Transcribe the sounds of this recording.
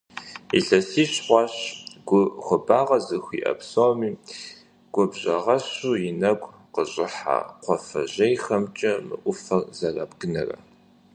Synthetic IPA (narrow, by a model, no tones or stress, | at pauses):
ḭɬɐsiːɕχʷɑːɕɡ̥ʷʊxʷʊbaːʁɐzɨxʷḭːʔɐ̰bsomiː | ɡ̥ʷʊbʑɐʁɐɕuːjɪnɐɡʷ | qəɕʼɪħa̰qʷɔfɐ̰ʑɐjxɐmt͡ʃʼɐmɨ̰ʔʷʊfɐrzɐrɐ̰bɡɨnɐrɐ̰